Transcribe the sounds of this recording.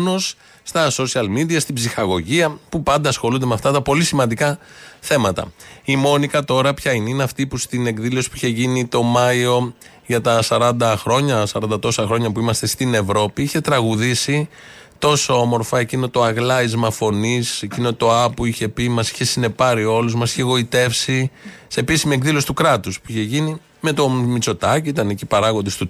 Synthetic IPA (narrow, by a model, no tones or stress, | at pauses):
no̞sː | t̪ɐso̞siɐlmid̪iɐst̪ibzixɐɣo̞ʝiɐpupɐnd̪ɐːsxo̞lund̪e̞meɐft̪ɐt̪ɐpo̞lisimɐnd̪ikɐθe̞mɐt̪ɐ̰imo̞nikɐt̪o̞ɾɐpçɐineineɐft̪ipust̪ine̞kðilo̞si̥puiçeʝinit̪o̞mɐio̞ | ʝɐt̪ɐsɐɾɐnd̪ɐxɾo̞ɲɐsɐɾɐnd̪ɐt̪o̞sɐxɾo̞ɲɐpuimɐst̪e̞st̪ine̞vɾo̞piiçe̞t̪ɾɐɣuðisi | t̪o̞so̞omo̞ɾfɐecino̞t̪o̞ɐɣlɐizmɐfo̞nise̞cino̞t̪o̞ɐpuiçe̞pimɐsi̥çe̞sine̞pɐɾio̞luzmɐsi̥çe̞ɣo̞it̪e̞fsise̞ːpisimiekðilo̞si̥t̪ukɾɐt̪uspuiçe̞ʝini | me̞t̪o̞mit͡so̞t̪ɐciit̪ɐnecipɐɾɐɣo̞nd̪est̪u